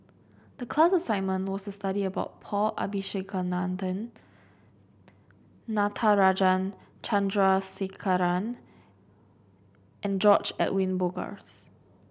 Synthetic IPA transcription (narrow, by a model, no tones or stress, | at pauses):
d̥əkʰlasəsãɪ̃nmə̃nwɔstustaɾiəbaʊt̚pʰɔla̰biʃekʰənãndə̃n | atʰaɹad͡ʒãnt͡ʃʰãndɹasekʰaɹãn | ʔɛ̃nd͡ʒɔt͡ʃɛ̰ʔwĩnboɡa̰s